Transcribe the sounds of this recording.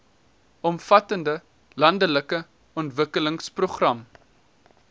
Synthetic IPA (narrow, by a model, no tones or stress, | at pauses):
ɔmfɐtəndə | lɐndələkə | ɔntvəkələŋsproχrɐm